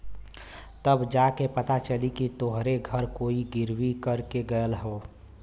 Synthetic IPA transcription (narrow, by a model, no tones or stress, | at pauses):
t̪əbd͡ʒaːkepət̪at͡ʃəlikit̪oɦɾeɡʱəɾkoːiɡɪɾwikəɾkeɡəjəlɦoː